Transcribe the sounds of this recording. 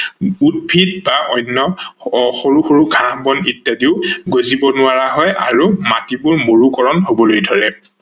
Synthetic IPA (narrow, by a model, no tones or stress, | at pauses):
ud̚bʱidbaʔɔjnːɔxoɹuxoɹuɡʱãhbɔnitjadiʊɡozibɔnʊaɹaɦɔjʔa̰ɹumatibʊɹmoɹukɔɹɔnɦobɔlojdʱɔɹɛ